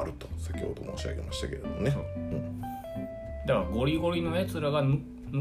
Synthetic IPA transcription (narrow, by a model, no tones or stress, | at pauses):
ɾɯ̟t̪o̥sakʲo̰od̪o̞moːɕia̰ɡe̞maɕi̥t̪ake̞ɾed̪omoneoɯ̟̃ɴ | d̪akaɡo̞ɾʲiɡo̞ɾʲino̞jat͡sɨɾaɡan | n